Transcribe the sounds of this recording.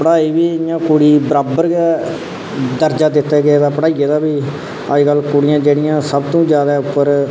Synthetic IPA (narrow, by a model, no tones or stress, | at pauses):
pəɽaːiːbiːɪjãːkʊɽiːbəɾaːbəɾɡɛ | d̪əɾd͡ʒaːd̪ɪt̪ːɛːɡed̪ãːpəɽaːieːd̪aːbiː | a̰ːd͡ʒkəlkʊɽɪjãːd͡ʒeːɽɪjãːsəbt̪õːd͡ʒjaːd̪ɛːʊpːəɾ